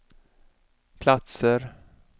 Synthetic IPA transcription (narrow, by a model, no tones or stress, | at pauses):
pʰlat̪səɾ